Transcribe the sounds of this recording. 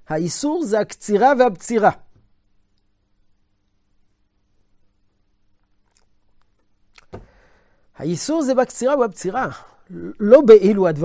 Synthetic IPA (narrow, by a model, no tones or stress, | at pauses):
haisuʁzehakt͡siʁavehabt͡siʁa | ha̰isuʁzebakt͡siʁaveabt͡siʁa | lobeʔiluad̪va